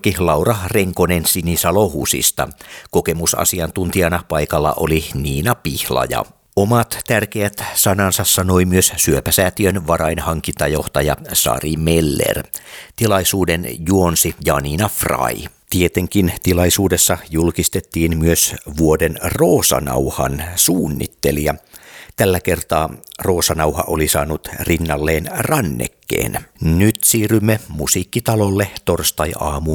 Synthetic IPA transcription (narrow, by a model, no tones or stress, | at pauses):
kilɑurɑreŋkonensinisɑlohuːsḭst̪ɑ̰koke̞musɑ̰siɑnt̪unt̪iɑnɑpɑjkɑlːɑ̰ʔo̰liniːnɑpihlɑ̰jɑ̰ | omɑt̪t̪ærkeæt̪sɑnɑnsɑsːɑno̞imyøssyøpæsæːt̪iønʋɑɾɑinhɑŋkint̪ɑjoht̪ɑjɑsɑ̰rimelːḛrt̪ilɑisuːdenjuonsijɑninɑfrɑ̰i | t̪iet̪eŋkint̪ilɑisuːdesːɑjulkist̪et̪ːiːnmyøsʋuodenroːsɑ̰nɑ̰whɑ̰nsuːnːḭt̪ːelijɑt̪ælːækert̪ɑːro̞ːsɑnɑuhɑ̰ʔolisɑːnut̪rinːɑlːeːnrɑnːḛkːḛːnnyt̪siːrymːemusiːkːit̪ɑlolːet̪orst̪ɑjɑːmu